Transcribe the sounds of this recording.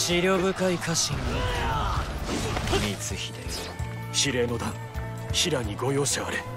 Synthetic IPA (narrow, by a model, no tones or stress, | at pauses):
ɕiɾʲoːβɯ̟kaikaɕĩŋa | nʲit͡sɨçie | ɕiɾe̞ːno̞d̪ã | ɕiɾaɲ̟iɡo̞jo̞ːɕt̪eβaɾe